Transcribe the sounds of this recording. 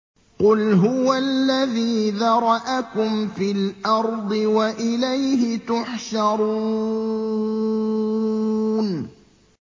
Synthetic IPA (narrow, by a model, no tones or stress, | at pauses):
qʊlɦʊwalːaðiːðɑɾˤɑʔakʊmfilʔɑɾˤd̪ˤɨwaʔɪlajɦɪt̪ʊħʃɑɾˤuː | n